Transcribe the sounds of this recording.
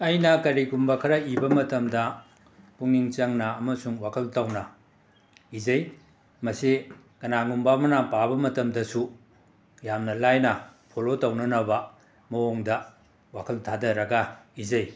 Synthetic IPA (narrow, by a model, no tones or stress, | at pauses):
ɐjnɐkɐɾikumbɐkʰɐɾɐibɐmɐtɐmdɐ | puŋniŋt͡ʃɐŋnɐɐmɐsuŋwakʰɐltɐwnɐ | izɐj | mɐsi | kɐnaŋumbamɐnapabɐmɐtɐmdɐsu | jamnɐlajnɐpʰolotɐwnɐnɐbɐ | mɐoŋdɐ | wakʰɐltʰadɐɾɐɡɐizɐj